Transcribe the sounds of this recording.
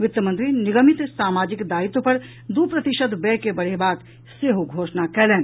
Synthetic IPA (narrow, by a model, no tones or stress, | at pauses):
ʋɪt̪jəmə̃nt̪ɾinɪɡəmɪt̪saːmaːd͡ʒɪkd̪aːit̪opɐɾ | d̪upɾɐt̪ɪʃəd̪bɛːkebɐɽ̤ebaːk | seɦoɡʱoːʃnakɛːlẽː